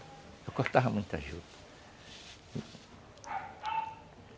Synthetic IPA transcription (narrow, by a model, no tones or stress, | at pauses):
ewkost̪avɐmũj̃t̪a̰ʒud̪ɐ̥ | i